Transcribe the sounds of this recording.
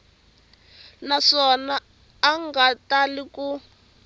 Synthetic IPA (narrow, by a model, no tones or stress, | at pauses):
naʂɔnaː | ŋɡataliku